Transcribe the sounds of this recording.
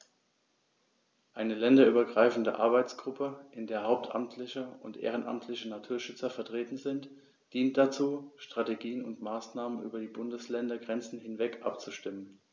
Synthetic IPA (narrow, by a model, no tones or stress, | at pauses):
ʔaɪnəlɛndɐyːbɐɡʁaɪfn̩də̰ʔa̰ɐbaɪt͡sɡ̥ʁʊpʰəʔɪndeːɐɦhaʊp̚tʰa̰mtʰlɪçəʊntʔḛːʁ̞ənʔa̰mtʰlɪçənatʰuːɐʃʏt͡sɐfɛɐtʁ̥eːtn̩zɪnt | d̥iːnt̚d̥at͡suːʃtʁ̥ateɡiːənʊntmaːsnaːmənʔy̰ːbɐdiːbʊndəslɛndɐɡʁɛnt͡sn̩hɪnvɛkʰʔa̰p̚t͡suʃtɪmən